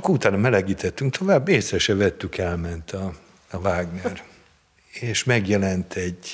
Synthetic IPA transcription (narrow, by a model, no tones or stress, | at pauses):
kːut̪aːnɒmɛlɛɡiːt̪ɛt̪ːyŋkt̪o̞vaːbːeːsɛʃɛvɛt̪ːykɛlmɛnt̪ʰɒ | ɒvaːɡnɛr | eːʃmɛɡjɛlɛnt̪ʰɛɟ